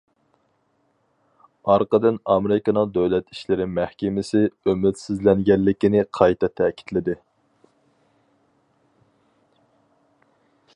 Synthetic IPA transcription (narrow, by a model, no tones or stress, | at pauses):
ɑɾqəd̪ɨnɑmeɾɪkɑnɨŋd̪øwlɛt̪iʃlɪɾɪmæhkʲɪmɪsɪømɪt̪sɪzlɛŋɡʲɛnːɪkʲinɪqʰɑjt̪ʰɑt̪ʰːɛkʲʰi̥t̪lɪd̪ɪ